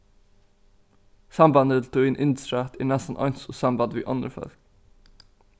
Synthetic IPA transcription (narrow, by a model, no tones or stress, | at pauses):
sɑmbɑnd̪əlt̪ʰuːɪnʔɪnd̪st̪ɾæt̪iːnɛsən̩ʔɑ̰ɪnsusɑmbɑd̪ʋḭːʔɑnəɾfœ̰ɾk